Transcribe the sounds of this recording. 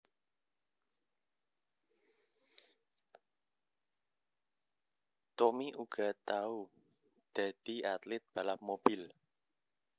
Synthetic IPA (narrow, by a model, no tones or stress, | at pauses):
t̪omiʔuɡ̥a̤t̪au | d̪̥a̤d̪̥i̤at̪lɪt̪̚b̥a̤lahmob̥ɪl